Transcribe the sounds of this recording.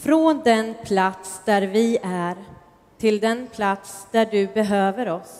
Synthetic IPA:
fɾɔnd̪ɛnpʰlat̪sd̪æɾvɪæɾ | t̪ʰɪld̪ɛnpʰlat̪sd̪̥æɖɵbɛɦøːvəɾɔs

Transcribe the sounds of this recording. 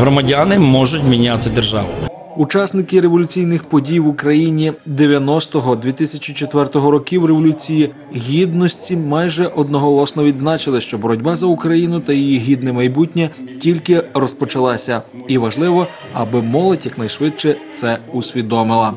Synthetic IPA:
ɦɾɔmɐdʲanɪmɔʒʊtʲmʲinʲat̪ɪd̪erʒɑ̰ʋʊ | ut͡ʃɑsnɪkɪɾeʋɔlʲʊt͡sʲijnɪxpɔdʲijʋʊkɾɐjinʲid̪eʋʲjɐnɔst̪ɔɦɔd̪ʲʋʲit̪ɪsʲɐt͡ʃit͡ʃet̪ʋɛrt̪ɔɦɔɾɔkʲiwreʋɔlʲut͡sʲiji | ɦʲid̪nɔsʲtʲimɑjʒɛʔɔd̪nɔɦɔlˠɔsnɔʋʲid̪znɑt͡ʃɪlˠɪʃt͡ʃɔbɔɾɔdʲbɑzɐukɾɐjinʊt̪ɐjijiɦʲid̪nɛmɐjbutʲnʲɛtʲilʲkɪrɔspɔt͡ʃɐlˠɑsʲɐiʋɐʒlˠɪʋɔ | ɐbɪmɔlˠɔtʲjɐknɐjʃʋɪt̪̚t͡ʃɛt̪sɛusʲʋʲid̪ɔmɪlˠɐ

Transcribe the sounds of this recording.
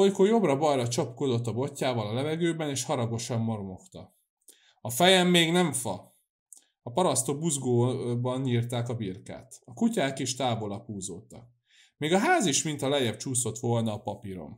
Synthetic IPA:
ojkojo̞brɒbɒjɾɒt͡ʃɒpko̞d̪o̞t̪ːɒbo̞cːaːvɒlɒlɛvɛɡøːbɛneːʃhɒɾɒɡo̞ʃɒmːo̞rmo̞ft̪ɒ | ɒfɛjɛmːeːɡnɛɱfɒ | ɒpɒɾɒst̪obuzɡoːbɒnɲiːrt̪aːkɒbirka̰ːt̪ɒkucaːkeːʃt̪aːbo̞lɒpuːzoːt̪ɒk̚ | meːɡɒɦaːziʃmint̪ɒlɛjːɛbt͡ʃuːso̞t̪ʋo̞lnɒːpɒpiɾo̰m

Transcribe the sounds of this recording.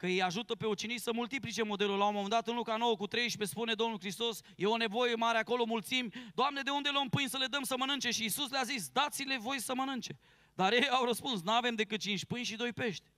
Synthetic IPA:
kəjejaʒut̪əpe̞ot͡ʃinisəmult̪iplit͡ʃe̞mo̞d̪e̞lulawomomend̪at̪ɨnlukano̞wəkut̪ɾe̞jʃpe̞spune̞d̪o̞mnulkɾist̪o̞sje̞o̞ne̞vo̞je̞maɾeako̞lo̞mult̪simʲd̪oamne̞d̪e̞und̪e̞loompɨnʲsəle̞d̪əmsəmənɨnt͡ʃe̞ʃiːsusleazisd̪at̪sile̞vo̞jsəmənɨnt͡ʃe̞ | d̪aɾjejawɾəspuns̬nuave̞md̪e̞kɨt̪̚t͡ʃinʃʲpɨnʲʃid̪o̞jpe̞ʃt̪ʲ

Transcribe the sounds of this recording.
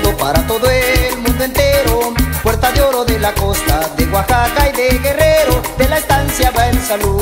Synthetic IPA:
d̪opaɾat̪o̞ðoelmũnd̪oent̪e̞ɾopweɾt̪aðeo̞ɾo̞ðelako̞st̪aðeɣwaxakajðeɣe̞reɾo̞ðelaest̪ansjaβaensalu

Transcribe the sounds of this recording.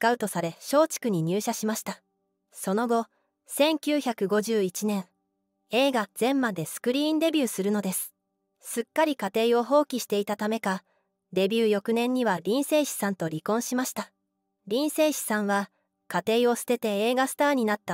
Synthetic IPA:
skaɯ̟t̪o̞saɾe̞ɕo̞ːt͡ɕi̥kɯ̟ɲ̟iɲ̟ɨːɕaɕimaɕi̥t̪a | so̞no̞ɡo̞ | sẽ̞ŋkʲɨːçʲakɯ̟ɡo̞ʑɨːit͡ɕinẽ̞ɰ̃ | e̞ːɡaz̥ẽ̞mmad̪e̞sɨ̥kɯ̟ɾʲiːnd̪e̞bʲɨːsɨɾɯ̟no̞d̪e̞sɨ̥ | sɨkːaɾʲikat̪e̞ːo̞ɦo̞ːkʲiɕi̥t̪e̞it̪at̪ame̞ka | d̪e̞bʲɨːjo̞kɯ̟nẽ̞ɲ̟ːiβaɾʲĩɰ̃se̞ːɕi̥sãnt̪o̞ɾʲikõ̞ɰ̃ɕimaɕi̥t̪a | ɾʲĩɰ̃se̞ːɕi̥sãɰ̃βa | kat̪e̞ːio̞sɨ̥t̪e̞t̪e̞eːɡasɨ̥t̪aːɲ̟inat̪ːa

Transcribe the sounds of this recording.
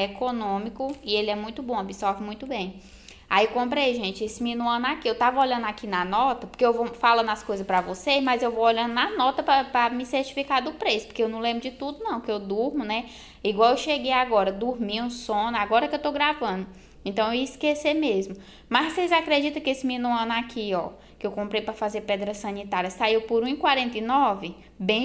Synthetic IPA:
ekonõmikʊielɪɛmũj̃t̪ʊbõabisɔɾvɪmũj̃t̪ʊbẽj̃ | aiewkõpɾejʒẽt͡ʃɪesɪminuɐ̃nʊakiewt̪avɐoʎɐ̃nd̪ʊakinɐnɔt̪ɐpoɾkeewvofalɐ̃nɐskojzɐspɾɐvosezmɐzewvowoʎɐ̃nd̪ʊnɐnɔt̪ɐpɾɐpɾɐmiseɾt͡ʃi̥fikad̪ʊpɾesʊpʊ̥keewnɐ̃w̃lẽbɾʊd͡ʒɪt̪ud̪ʊnɐ̃w̃kɪewd̪uɾmʊnɛ | iɡwawewʃeɡejaɡɔɾɐd̪uɾmiũsõnɐaɡɔɾɐkɪewt̪oɡɾavɐ̃nʊ | ẽnt̪ɐ̃w̃eeiskesemezmʊ | mɐssezakɾed͡ʒit̪ɐ̃kɪesɪmĩnuɐ̃nakʰiɔ | kkɪewkõmpɾejpɾɐfazeɾpɛd̪ɾɐsɐ̃nit̪aɾiɐsaiwpoɾũikwaɾẽnt̪ɐjnɔvɪ | bẽ

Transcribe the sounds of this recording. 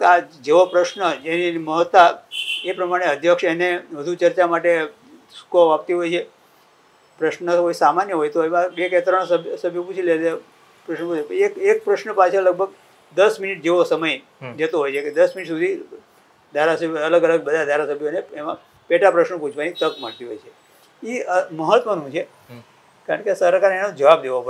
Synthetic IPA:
ad͡ʒeʋopɾəʃnəd͡ʒeniməɦət̪ːaepɾəmaɽ̃eəd̪ʱjəkʂeneʋəd̪ʱut͡ʃəɾt͡ʃamaʈe | skoʋap̚t̪iɦojt͡ʃʰe | pɾəʃnənəɦoisamanjəɦojt̪oemãbeket̪ɾəɳ̃səbʱsəbʱjoput͡ʃʰilele | pɾəʃnəpũt͡ʃekek̚pɾəʃnəpat͡ʃʰələɡ̚bʱəɡ | d̪əsminiʈ̚d͡ʒeʋosəməj | d͡ʒət̪oɦojt͡ʃʰeked̪əsminiʈsud̪ʱi | d̪ʱaɾasəbʱələɡələɡ̚bəd̪ʱad̪ʱaɾasəbʱjoneemã | peʈapɾəʃnəpũt͡ʃʰʋanit̪əkməɭt̪iɦo̰jt͡ʃʰe | iəməɦət̪ʋənũt͡ʃʰe | kaɾəɳkesəɾkaɾenõd͡ʒəʋab̚d̪eʋopə

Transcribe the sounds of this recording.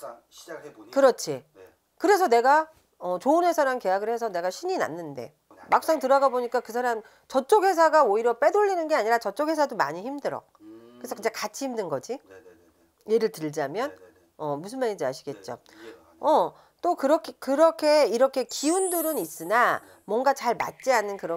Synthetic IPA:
kɯɾʌt͡ɕʰi | kɯɾe̞sʰʌne̞ɡa | ʌt͡ɕoːnɦesʰaɾanke̞jaɡɯɭhe̞s̬ʰʌne̞ɡaɕʰiɲina̰nːɯnde̞̰ | mak̚s͈aŋtɯɾʌɡaboɲik͈akɯs̬ʰaɾam | t͡ɕʌt͡ɕ͈ʰokhe̞s̬ʰaɡaoiɾjʌp͈e̞doʎːinɯnɡe̞aɲiɾat͡ɕʌt͡ɕ͈okhe̞s̬ʰadoma̰ɲiçimdɯɾʌ̰k̚kɯɾesʰʌkɯnd͡ʑekat͡ɕʰihimdɯnɡʌd͡ʑi | je̞ɾɯɭtɯɭd͡ʑamjʌn | ʌmusʰɯnmaɲid͡ʑiaɕʰi̥ɡe̞t̚t͡ɕ͈o̰ | ʌ | t͈okɯɾʌkʰekɯɾʌkʰe̞iɾʌkʰe̞kiunduɾɯnis͈ɯna | mwʌŋɡat͡ɕaɭma̰t̚t͡ɕ͈ianːɯnkɯɾʌ

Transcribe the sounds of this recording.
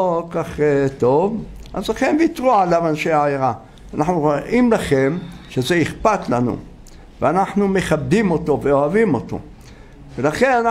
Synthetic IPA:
okaχet̪o̞vʔazlaχemvit̪ʁualavanʃeaajeʁa | anaħnuʁoʔimlaχe̞mʃezeiχpat̪lanṵ | veanaħnume̞χab̚d̪imo̞t̪o̞veoavimo̞t̪o̞̰ | velaχe̞nana

